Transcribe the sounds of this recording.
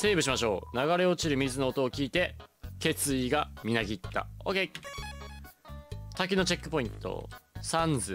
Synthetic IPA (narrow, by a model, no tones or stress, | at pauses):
se̞ːbɯ̟ɕimaɕo̞ːnaɡaɾe̞o̞t͡ɕiɾɯ̟mʲizɨno̞ːt̪o̞ːkʲiːt̪e̞ke̞t͡sɨiɡamʲinaɡʲit̪ːa̰oɡe | t̪ak̬ʲino̞t͡ɕe̞kːɯ̟po̞ĩnt̪o̞̰sãnd͡zɨ